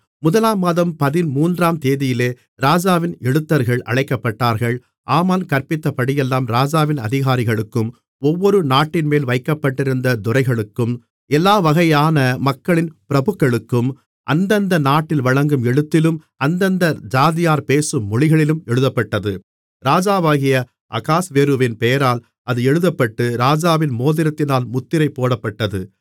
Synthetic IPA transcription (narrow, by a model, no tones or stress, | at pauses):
mʊðɐlaːmaːðɐmpɐðɪnmuːndraːmt̪eːðɪjɪleː | ɾaːd͡ʒaːʋɪnɛɻɯt̪ːɐɾɣɐɭʔɐ̰ɭɐɪkːɐpːɐʈːaːɾɣɐɭ | ʔaːmaːnkɐɾpɪt̪ːɐpɐɽɪjɛlːaːmɾaːd͡ʒaːʋɪnɐðɪɣaːɾɪɣɐɭɯkːɯm | ɔʋːɔɾɯnaːʈːɪnmeːlʋɐɪkːɐpːɐʈːɪɾɯnd̪ɐd̪ʊɾɐɪɣɐɭɯkːɯm | ɛlːaːʋɐɣɐjaːnɐmɐkːɐɭɪnpɪɾɐbɯkːɐɭɯkːɯm | ʔɐ̰nd̪ɐnd̪ɐnaːʈːɪlʋɐɻɐŋɡɯmɛɻɯt̪ːɪlɯm | ɐnd̪ɐnd̪ɐd͡ʒaːðɪjaːɾpeːsɯmːɔɭɪɣɐɭɪlɯmɛɻɯðɐpːɐʈːɐðɯ | ɾaːd͡ʒaːʋaːɣɪjɐ | ʔɐ̰kaːsʋeːɾɯʋɪnpejɐɾaːl | ɐðɯɛɻɯðɐpːɐʈːɯɾaːd͡ʒaːʋɪnmoːðɪɾɐt̪ːɪnaːlmʊt̪ːɪɾɐɪpːoːɽɐpːɐʈːɐðɯ